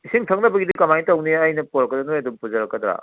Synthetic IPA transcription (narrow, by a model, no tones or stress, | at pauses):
isiŋtʰaŋnɐbɐɡidikɐmajtawniɐjnɐpɔɾɐkːɐdɐnojɐdumpuzɐɾɐkːɐdɾa̰